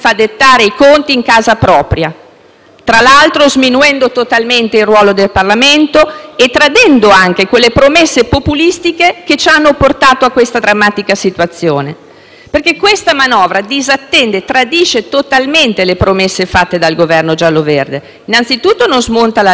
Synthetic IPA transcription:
fad̪et̪ːaːɾeikont̪iːŋkaːzapɾɔːpɾja | t̪ɾalalt̪ɾozminuɛnd̪ot̪ot̪alment̪eirːwɔːlod̪elparlament̪oet̪ːɾad̪ɛnd̪oaŋk̟ekwelːepɾomesːepopulist̪ikeket͡ʃanːoport̪aːt̪oakːwest̪ad̪ɾamːaːt̪ikasit̪wat̪sːjoːne | perkekːwest̪amanɔːvɾad̪izat̪ːɛnd̪et̪ɾad̪iːt͡ʃet̪ot̪alment̪elepɾomesːefat̪ːed̪alɡovɛrnod͡ʒalːoverd̪e | inːant̪sit̪ut̪ːononzmont̪ala

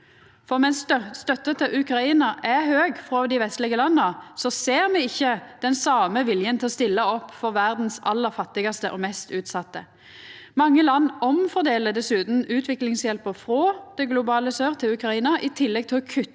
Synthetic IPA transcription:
fɔʁmɛnsst̪œt̪ːət̪ʰɪʔʉkʁɑiːnɑʔɛhøːɡfʁɔd̪ɪʋɛst̪lɪɡəlɑnːɑsɔseːʁmɛɪçːəd̪̥ɛnsɑːməʋɪljənt̪ʰɪlɔst̪ɪlːɑɔpːfɔʁʋæʁd̪n̩sɑlːəʁfɑt̪ːɪɡɑst̪əʔɔmɛst̪ʉːt̪sɑt̪ːə | mɑŋːəlɑnːɔmfɔʁd̪eːləd̪ɛsʉːt̪n̩ʉːt̪ʰʋɪklɪŋsjɛlpəʁfʁoːd̪̥ɛɡlʊbɑːləsøːʁt̪ʰɪlʉkʁɑiːnɑʔɪt̪ʰɪlːɛɡ̚t̪ʰɪlɔkʰʉ

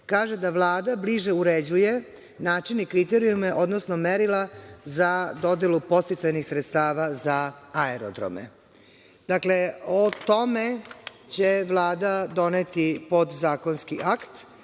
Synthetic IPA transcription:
kaːʒed̪aʋlˠaːd̪abliʒeuɾed͡ʑuje̞ | naːt͡ʃinikɾit̪eɾijumeʔod̪nosnomeɾilˠazad̪o̞d̪elupo̞st̪it̪sajnixsɾet̪st̪aːʋazaaeɾo̰d̪ɾo̰mḛ | d̪̥akle̞ot̪o̞me | t͡ɕeʋlˠaːd̪ad̪o̞net̪ipo̞d̪zaːkonskiʔakt̪

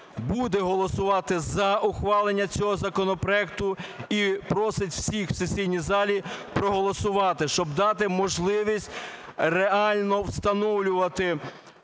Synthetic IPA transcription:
bud̪ɛɦɔlˠɔsʊʋɑt̪ɪzɐʔʊxʋɑlˠenʲːɐt͡sʲɔɦɔzɐkɔnɔpɾɔɛk̚t̪ʊipɾɔsɪtʲwsʲixw̥sesʲijnʲizɑlʲipɾɔɦɔlˠɔsʊʋɑt̪ɪʃt͡ʃɔbd̪ɑt̪ɪmɔʒlˠɪʋʲisʲtʲ | reɑlʲnɔwst̪ɐnɔwlʲʊʋɐt̪ɪ

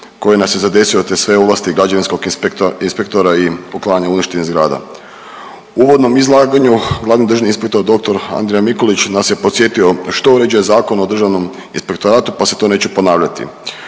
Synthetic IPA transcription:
ko̞jenasjezad̪e̞siot̪esʋe̞uʋlˠast̪iɡɾad͡ʒaʋinsko̞ɡipt̪inspe̞k̚t̪o̞ɾaipoklaaɲauniʃt̪e̞nizɡɾaːd̪a̰ | uʋo̞d̪no̞mizlˠaːɡaɲuɡlaːʋnimd̪r̩ʒaninspe̞k̚t̪o̞ɾd̪o̞k̚t̪oɾa̰nd̪ɾejamikolit͡ɕnasje̞po̞t̪sje̞t̪io̞ʃt̪o̞uɾe̞d͡ʒujezaːko̞nod̪r̩ʒaʋno̞m | inspekt̪oɾaːt̪upase̞t̪o̞ːne̞ːt͡ɕupo̞naːʋʎat̪ḭ

